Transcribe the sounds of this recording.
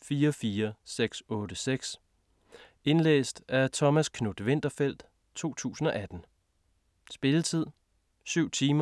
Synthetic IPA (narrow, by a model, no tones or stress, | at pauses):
fiːɐɒfiːɐseɡ̥sɔ̽ːd̥əseɡ̥s | e̝nlḛːsd̥æt͡sʰɒ̽mæskʰnud̥ʋe̝n̰d̥ɐfel̰d̥ | t͡sʰo̝̰ːt͡sʰṵːsn̩ɒ̽ʔæd̥n̩ | sb̥e̝lət͡sʰið̞̰ˠ | syʊ̰t͡sʰiːmɐ